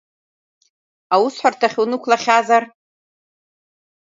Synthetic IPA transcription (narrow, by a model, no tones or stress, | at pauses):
awusħʷartʰaχʲunɨkʷʰlaχʲazar